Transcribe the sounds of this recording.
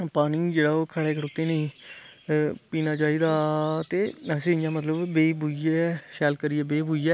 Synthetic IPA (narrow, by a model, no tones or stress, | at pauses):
paːnɪ̃ːd͡ʒeːɽaːoːkʰəɽeːkʰəɽoːt̪ːeːnəĩː | piːnaːt͡ʃaːiːd̪aːt̪eːsẽːɪjãːmət̪ləbːeːbʱuiɛːʃɛːlkəɾiːɛːbeːbʱuːijɛː